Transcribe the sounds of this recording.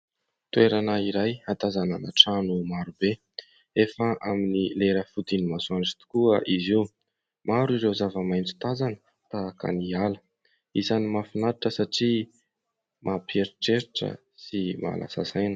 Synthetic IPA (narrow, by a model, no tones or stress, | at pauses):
t̪ueɾanaiɾajat̪azanana̰ʈ͡ʂanumaɾube | efəʔaminileɾəfud̪inimasuanʈ͡ʂi̥t̪u̥kuəʔiziw | maɾuiɾewzavəmajnt͡su̥t̪azanə̥ | t̪aka̰nialə̥ | izanimafinaɾiʈ͡ʂəsaʈ͡ʂi | mʔapeɾiʈ͡ʂeɾiʈ͡ʂə̰ | sima̰lʔa̰sa̰sajnə̥